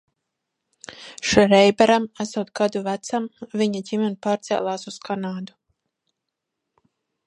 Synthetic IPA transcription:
ʃɾɛjbɛɾamæsuːt̪̚ɡad̪uvæt̪samvʲiɲaɟimʲɛnpaːɾt̪sɛ̰lˠaːsuskanaːd̪u

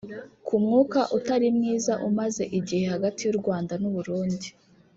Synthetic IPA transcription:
kʰumŋuːkaʔutaɾimŋiːzaʔumaze̞ʔiɟihe̞haɡatijuɾɡwaːndanuβuɾuːndi

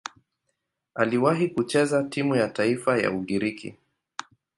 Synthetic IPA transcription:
aliwaɦikut͡ʃɛzatimujataifaja̰uɠiɾikḭ

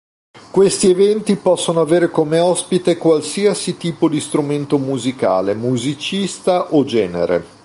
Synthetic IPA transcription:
kwest̪ievɛnt̪ipɔsːonoaveːɾekomeɔspit̪ekwalsiasit̪iːpod̪ist̪ɾument̪omuzika̰ːlemuzit͡ʃist̪aʔod͡ʒɛːnḛɾḛ

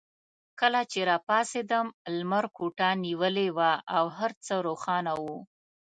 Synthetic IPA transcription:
kəlat͡ʃeɾɑpɑsed̪əmlmaɾkuʈaniwəlewaawɦaɾt͡səɾoxɑnawu

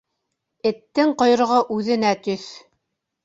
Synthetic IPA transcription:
ɘ̆t̪ːɘŋqŏjɾɤ̆ʁɤʔʉðɘ̆næt̪ɵθ

